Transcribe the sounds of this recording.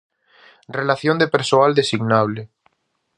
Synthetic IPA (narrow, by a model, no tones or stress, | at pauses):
relaθjond̪epeɾsoald̪esiɣnaβ̞le